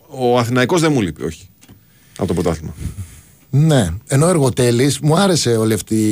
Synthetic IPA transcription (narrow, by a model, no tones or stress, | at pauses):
oɐθinɐiko̞zðemulipio̞̰çi̥ | ɐ̰po̞t̪opɾt̪ɐθimɐ | ne̞e̞no̞e̞ɾɣo̞t̪e̞lismuɐɾe̞se̞o̞liɐft̪i